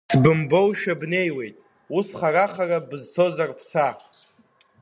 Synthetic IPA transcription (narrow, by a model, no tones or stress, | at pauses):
sbɨmbo̞wʃᶣabne̞jwe̞jtʼ | usχaɾaχarabɨzt͡sʰo̞zarpʰsʰa